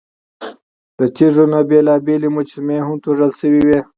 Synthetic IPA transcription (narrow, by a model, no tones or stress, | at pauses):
d̪̥ət̪iʐonabelɑːbelimʊt͡ʃimeɦʊmt̪ʰoʐəlsəwiwe